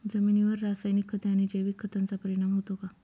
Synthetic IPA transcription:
d͡zəminiʋəɾːasajnikʰːət̪jañid͡ʑeʋiːkʰːət̪ant͡sapəɾiɽ̃amɦot̪oka

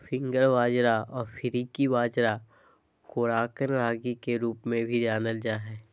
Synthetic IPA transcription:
fɪ̃ŋɡəɾʋaːd͡ʒɾaɔːɾfʰɪɾikiʋaːd͡ʒɾa | koːɾaːkənɾaːɡikeɾuːpmẽbʱid͡ʒaːnəld͡ʒaːɦɛː

